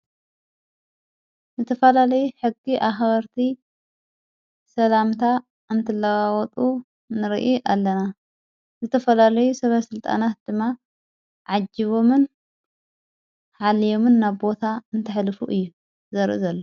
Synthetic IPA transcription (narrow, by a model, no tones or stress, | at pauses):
zɨt̪ʰɐfɐlalɐjuħɨɡːiʔaxbɐɾt̪ʰi | sɐlamt̪ʰa | ɨnt̪ʰɨlːɐwawɔt̪ʼu | nɨɾḭʔiʔalːɐna | zɨt̪ʰɐfɐlalɐjusɐβɐsɨlt̪ʼa̰nat̪̚d̪̥ɨmːa | ʕad͡ʒːiβo̞mɨn | ħalijo̞mɨnːaβbo̞t̪ʰaɨnt̪ʰɨħlɨfuʔɨjːu | zɐɾʔɨzɐlːo